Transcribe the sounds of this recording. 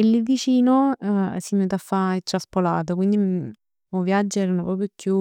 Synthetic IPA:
ilːid̪it͡ʃiːnosimet̪afːaet͡ʃ̪ːɾaspolaːt̪̬okwind̪i | uvjad͡ʒːɛɾanopɾɔːpɾjokju

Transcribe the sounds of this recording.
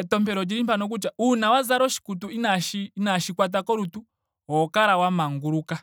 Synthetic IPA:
ɛtɔmpɛɾɔd͡ʒiɾimpanɔk̬ut͡ʃaunawazaɾɔʃi̥kutuinaʃinaʃikwat̬akɔɾutu | ɔkaɾawamaŋɡuɾuka

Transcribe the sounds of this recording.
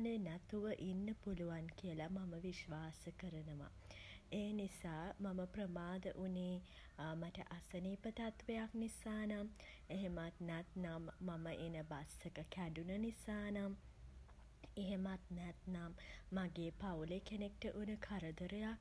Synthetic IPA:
nənɛt̪uʋəʔinːəpuluʋankijəlamaməʋiʃʋaːsəkəɾənəʋa̰ | eːnisaːmaməprəmaːd̪ə̰ʔuneː | maʈəʔasəniːpət̪at̪ʋejaknisaːnameɦemat̪nɛt̪namːaməʔinəbasəkəkæɖunənisaːnam | eɦemat̪̚næt̪namːaɡeːpawlekenek̚ʈəʔunəkʰaɾəd̪əɾəjak̚

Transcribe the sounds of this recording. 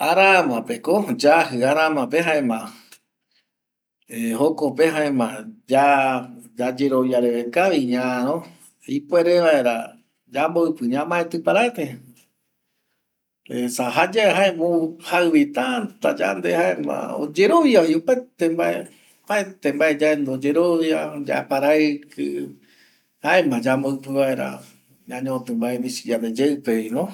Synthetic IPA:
aɾamãpekod͡ʒaɦɨaɾãmãpeɦãẽmã | ehokopeɦãẽmãd͡ʒa | d͡ʒad͡ʒe̞ɾoβjaɾeʋekaʋiɲãɾõ | ipweɾeʋaeɾa̰ | d͡ʒamboɨpɨɲãmãet̪ɨpaɾaet̪e | esaɦad͡ʒaeɦaẽmuhaɨβit̪at̪ad͡ʒa̰nd̪ehaemã̰o̰d͡ʒeɾoβjaiopet̪embae | paet̪embaed͡ʒaend̪od͡ʒeɾoβjad͡ʒa̰epaɾakɨ̰ | haẽmãd͡ʒamboɨpɨβaeɾa̰ | ɲãɲõt̪ɨmbaemĩsi̥d͡ʒaned͡ʒeɨpeinõ

